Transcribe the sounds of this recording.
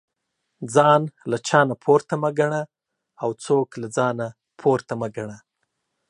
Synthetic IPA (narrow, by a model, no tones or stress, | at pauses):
d͡zɑnlat͡ʃɑnapʰoɾt̪amaɡaɳa | awt͡soklad͡zɑna | pʰoɾt̪amaɡaɳa